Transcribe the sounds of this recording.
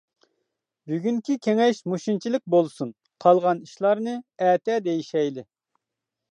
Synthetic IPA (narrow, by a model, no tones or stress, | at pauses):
byɡʲyŋkʲʰikʲʰeŋɛʃmuʃint͡ʃʰilɪk̚ʲbolˠsun | qʰɑlˠʁɑniʃlˠɑɾnɨɛːt̪ʰɛd̪ejiʃɛjlɪ